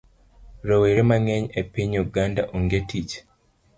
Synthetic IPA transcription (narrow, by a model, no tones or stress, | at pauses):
ɾoweɾemaŋeɲepiɲuɡandaʔuŋɡetit͡ʃ